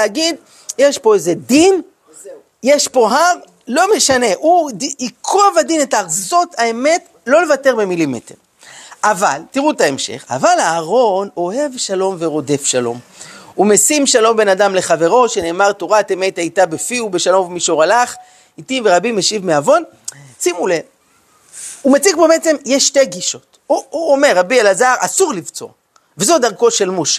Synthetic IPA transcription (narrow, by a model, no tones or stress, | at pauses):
eaɡid̪ | jeʃpo̞ezed̪in | jeʃpo̞ɦaʁ | lo̞meʃane̞ʔudiikovad̪inetaaχzo̞thaeme̞t | lo̞le̞vate̞ʁbe̞milimḛte̞̰ʁ | ʔavaltiʁutae̞mʃḛχa̰valaːʁo̞no̞he̞vʃalo̞mve̞ʁo̞de̞fʃalo̞̰mume̞simʃalo̞mbe̞nadamle̞χave̞ʁo̞ʃene̞ːmaʁtoʁatemejtajtabefiube̞ʃalo̞mvmiʃoʁalaχ | itimveʁabimeʃivmeavo̞n | simule | umet͡sikbemet͡se̞mjeʃːte̞ɡiʃo̞t | uuome̞ʁːabielazaʁʔasuʁlivt͡so̞̰ | vezo̞daʁko̞ʃe̞lmoʃe̥